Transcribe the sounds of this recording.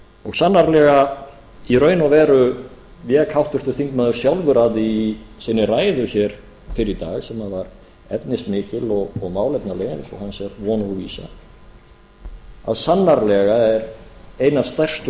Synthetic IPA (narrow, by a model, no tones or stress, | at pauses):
ɔɣsanːaɾlɛɣa | iɾœːɥnavɛːɾʏ | vjɛːkʰawht̪ʏr̥t̪ʏ̥θiŋkmaðʏɾ̥sjawlvʏɾaðɪisɪnːɪraːjðʏçɛɾ̥ | fɪɾɪɾt̪a̰ːɣsɛmaðvaɾ | ɛ̰t̪nɪsmɪːcɪlɔɣɔɣmaːwlɛp̪naleːjnɪsɔ̰hansɛɾvɔːnauviːsa̰ | a̰ðsanːaɾlɛɣaɛɾeːjnavst̪ɛr̥st̪